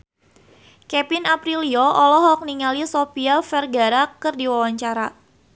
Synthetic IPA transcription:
kɛpinapɾiliɔɔlɔɦɔk̚niŋalisopiafɛrɡaɾakərdiwawaɲt͡ʃaɾa

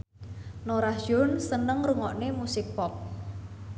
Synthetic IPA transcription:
noɾaʒ̥ʊnsənəŋruŋɔʔnemusɪk̚pɔp̚

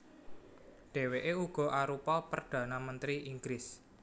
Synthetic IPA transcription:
ɖ̥e̤weʔeuɡ̥ɔ̤ʔaɾupɔlpərɖ̪̥ä̤namənt̪ɾiʔiŋɡɾɪs

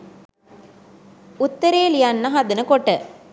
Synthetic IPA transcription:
ut̪ːəɾeːlijanːɐɦad̪ɐnəkoʈːə

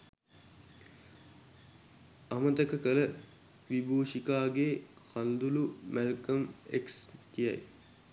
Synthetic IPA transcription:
amət̪əkəkələ | ʋibʱuːʃikaːɡeː | kʰand̪ulumælkəmekskija̰j

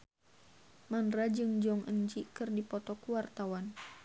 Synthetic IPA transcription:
manɾad͡ʒɨŋd͡ʒɔŋʔəɲd͡ʒikɨrdipɔt̪ɔkuwart̪awan

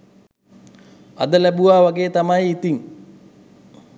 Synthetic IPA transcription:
a̰d̪əlæbuʋaːʋaɡeːt̪amajit̪iŋ

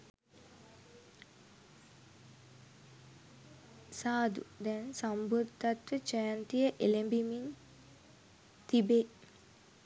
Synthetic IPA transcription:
saːd̪ṵd̪ɛnsambud̪ʱːat̪ʋət͡ʃəjant̪ijəʔelembimin | t̪ibe

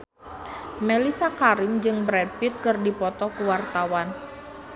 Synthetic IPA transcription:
melisakaɾɪmd͡ʒɨŋbɾɛd̪̚pit̪̚kɨrdipɔt̪ɔkuwart̪awan

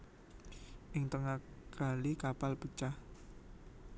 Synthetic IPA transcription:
ʔɪŋt̪əŋaɡ̥a̤likapalpət͡ʃah

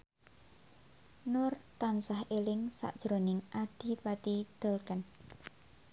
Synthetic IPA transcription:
nʊrt̪ansahelɪŋsa̰ʔd̥ʒ̥ɾonɪŋʔad̪̥i̤pat̪id̪̥əlkən

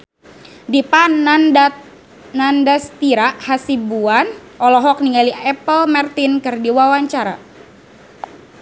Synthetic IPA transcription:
dipand | nandast̪iɾaʔhasibuanʔɔlɔɦɔk̚niŋɡaliɛpəlmart̪inkɨrdiwawaɲt͡ʃaɾa̰

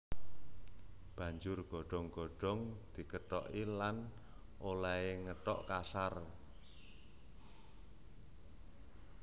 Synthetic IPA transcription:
b̥ä̤ɲd͡ʒʊrɡ̥ɔ̤ɖ̥ɔ̤ŋɡ̥ɔ̤ɖ̥ɔ̤ŋd̪̥i̤kəʈɔ̰ʔilan | ʔolaeŋəʈɔ̰ʔkasar

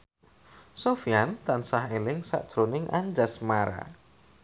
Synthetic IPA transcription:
sofijant̪ansaɦelɪŋsa̰ʔd̥ʒ̥ɾonɪŋʔaɲd͡ʒasmaɾa̰

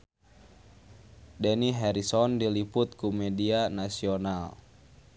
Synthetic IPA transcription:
dɛniɦɛɾisɔndiliput̪̚kumɛdianasional

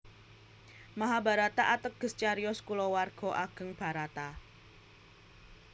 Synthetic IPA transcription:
maɦabaɾat̪aʔat̪ək̚ɡ̥ə̤st͡ʃaɾiɔskulɔwarɡ̥ɔ̤ʔaɡ̥ə̤ŋb̥a̤ɾat̪a

